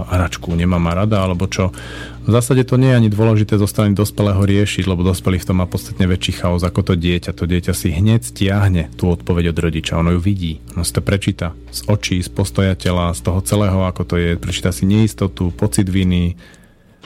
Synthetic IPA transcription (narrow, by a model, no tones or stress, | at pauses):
ɦɾat͡ʃkuɲɛmaːmaɾad̪aalɛbɔt͡ʃɔ | vzaːsaɟɛt̪ɔɲɪɛjɛaɲid̪ʊɔlɛʒit̪ɛːzɔst̪ɾanid̪ɔspɛlɛːɦɔɾɪɛʃiɟlɛbɔd̪ɔspɛlift̪ɔmapɔt̪st̪at̪ɲɛʋɛt͡ʃiːxaɔzakɔt̪ɔɟɪɛcat̪ɔɟɪɛcasiɦɲɛcscɪaɦɲɛt̪uːɔt̪pɔʋɛɟɔd̪ɾɔɟit͡ʃa̰ɔnɔjuʋiɟiːɔnɔsi̥t̪ɔpɾɛt͡ʃiːt̪a | sɔt͡ʃiːspɔst̪ɔjacɛlast̪ɔɦɔt͡sɛlɛːɦɔakɔt̪ɔjɛpɾɛt͡ʃiːt̪asiɲɛist̪ɔt̪upɔt͡sid̪ʋini